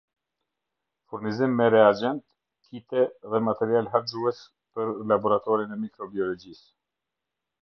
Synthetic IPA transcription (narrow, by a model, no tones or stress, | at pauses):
fuɾnizimːɛɾɛad͡ʑɛnt̪ | kʰit̪ɛðɛmat̪ɛɾialɦazuɛs | pəɾlabɔɾat̪ɔɾinɛmikɾɔbiɔlɔd͡ʑis